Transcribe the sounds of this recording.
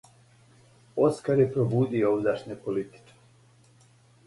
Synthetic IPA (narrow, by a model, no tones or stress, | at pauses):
oskaɾjepɾobuːd̪iooud̪aʃɲepolit̪i̥t͡ʃe̥